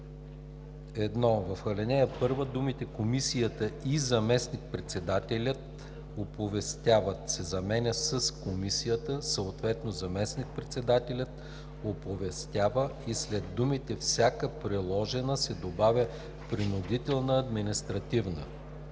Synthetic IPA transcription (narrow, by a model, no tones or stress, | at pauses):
ɛd̪nɔvɐfxɐlɛnɛəpɤɾvəd̪umit̪ɛkomisijət̪əizɐmɛsnik̚pɾɛt̪sɛd̪at̪ɛlʲət̪ | opovɛst̪ʲjavət̪sɛzɐmɛnʲəsəskomisijət̪əsəot̪vɛt̪nozɐmɛsnik̚pɾɛt̪sɛd̪at̪ɛlʲət̪ | opovɛst̪ʲjavəislɛd̪ːumit̪ɛfsʲakəpɾɛlˠɔʒɛnəsɛd̪obavʲjə | pɾinud̪it̪ɛlˠnəɐd̪minist̪ɾɐt̪ivnə̰